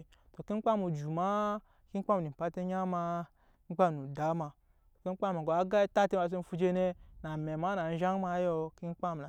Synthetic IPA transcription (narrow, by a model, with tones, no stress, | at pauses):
to˨ki˦ŋ͡m̩˦k͡pa˦mu˨d͡ʒu˨ma˦ | ki˦k͡pa˦m˨i˨m̩˨pa˦te˦ɲa˦ma˧ | i˦k͡pa˦m˨nu˨da˨˦ma˧ | to˨ki˦ŋ͡m̩˦k͡pa˦m˨ɡo˨a˦ɡa˦ta˦te˦ma˧˨s̬e˦m̩˦fu˧d͡ʒe˧ne˧na˨me˨ma˨˦na˨n̩˦ʒa˦ŋ˦ma˧˦jo˧ki˦ŋ̩˦k͡pa˦m˨a˨